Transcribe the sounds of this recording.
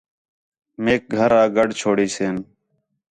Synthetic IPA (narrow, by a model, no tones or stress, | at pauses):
meːk̚ɡʱəɾãːɡəɖt͡ʃʰoːɽiːseːn